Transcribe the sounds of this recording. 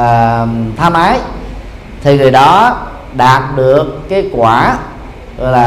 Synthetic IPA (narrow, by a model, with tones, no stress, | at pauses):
əː˨˩t̪ʰaː˧mʔaː˨˦j | t̪ʰi˨˩ŋɨ˨˩əjɗɔ˨˦ | ɗaː˨˩t̚ɗɨ˨˩əkːaː˨˦jkwaː˧˩ | ɣɔ̰˧˨jlaː˨˩